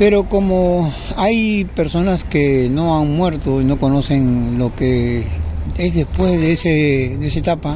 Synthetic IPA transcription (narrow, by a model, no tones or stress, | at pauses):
pe̞ɾo̞komo | ajpe̞ɾso̞naskeno̞aŋmwe̞ɾt̪oino̞ko̞no̞se̞nlo̞ke | ezðespwe̞zðeesed̪eesaet̪apa